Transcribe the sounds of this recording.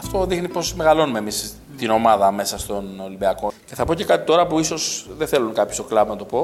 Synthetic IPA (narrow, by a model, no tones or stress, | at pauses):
ɐft̪o̞ðixnipo̞sme̞ɣɐlo̞numemis | t̪ino̞mɐðɐme̞sɐst̪o̞nolimbiɐko̞ce̞θɐpo̞ce̞kɐt̪it̪o̞ɾɐpuiso̞sðeθe̞luŋkɐpçost̪o̞klɐbnɐt̪o̞po̞